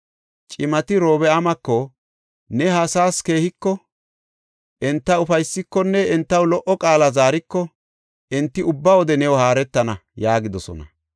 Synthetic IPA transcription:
t͡ʃʼɪmɐt̪ɪɾo̞ːbɛɐmɐkːɔ | nɛɦaːsaːske̞ːhɪkːɔ | ʔɛnt̪ːɐʊfɐjsːɪkːɔnːɛːnt̪ːɐwlɔʔɔkʼaːlɐzaːɾɪkːɔ | ʔɛnt̪ːɪʊbːawɔd̪ɛnɛwɔhaːɾɛt̪ːɐnɐjaːɡɪd̪ɔsɔ̰nɐ̰

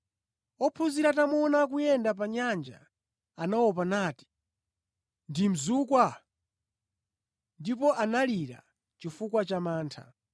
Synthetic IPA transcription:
ɔpʰuziɾatamɔnak̬ujɛndap̬aɲand͡ʒa̰ | anawɔpanaːti̥ | ndim̩zuːkwa | ndipɔʔanaliɾa̰ | t͡ʃifukwat͡ʃamaːntʰa̰

